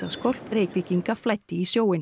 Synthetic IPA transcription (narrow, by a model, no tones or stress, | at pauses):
askɔl̥preːjkviciŋkaflaːjt̪ːɪisjoːwɪn